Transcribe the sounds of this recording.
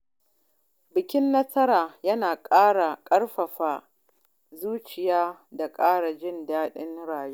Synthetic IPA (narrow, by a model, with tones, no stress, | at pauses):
bɪ˨kʲɪ˦nːɐ˦sɐ˦ɾaː˨jɐ˦naː˨kʼaː˦ɽa˨kʼɐ˦ɽɸɐ˨ɸaː˨ | zuː˦t͡ʃɪ˨jaː˦da˨kʼaː˦ɽa˨d͡ʒɪ˦ndaː˦ɗɪ˦nɽaː˨juː˦